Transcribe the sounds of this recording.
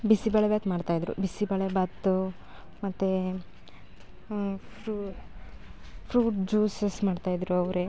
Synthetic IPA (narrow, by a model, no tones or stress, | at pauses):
bisibɐɭɛbɐt̪maːɖt̪aːjid̪ɾṵbisibɐɭebat̪ːu | mɐt̪ːe | pu | pʰɾuːʈd͡ʒuːsesmaːɖt̪aːjid̪ɾuɐʋɾe